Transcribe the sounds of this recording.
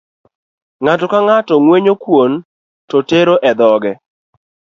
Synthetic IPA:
ŋatɔkaŋatɔŋweɲokwon | tɔteɾoʔɛd̪ɔɡɛ

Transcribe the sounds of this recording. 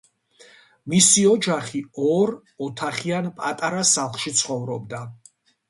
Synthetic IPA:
misiɔd͡ʒaχiɔɾ | ɔt̪ʰaχianpʼat̪ʼaɾasalˠχʃit̪sʰχɔvɾɔbd̪a

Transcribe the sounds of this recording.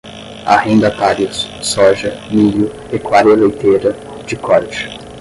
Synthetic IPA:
a̰hẽnd̪ɐpaɾissɔʒɐmilu | ekwaɾelejt̪ʰeɾɐ | d͡ʒɪkʰɔɾeʒ

